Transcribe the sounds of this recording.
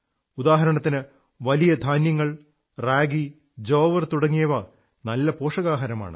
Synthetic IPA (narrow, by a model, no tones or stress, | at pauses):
ud̪aːɦɐɾɐɳɐt̪ːinɨ | ʋɐlijɐd̪ʱaːnjɐŋːɐɭ | raːɡi | d͡ʑoːʋɐrt̪uɽɐŋːijɐʋɐ | nɐlːɐpo̞ːʂɐɣaːɦɐɾɐma̰ːɳɨ̰